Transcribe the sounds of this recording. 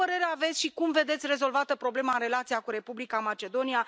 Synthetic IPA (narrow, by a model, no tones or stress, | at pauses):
pəɾe̞ɾeave̞t̪sʲʃikumve̞d̪e̞t̪sʲre̞zo̞lvat̪əpɾo̞ble̞maɨnre̞lat̪siakuɾe̞publikamat͡ʃe̞d̪o̞nija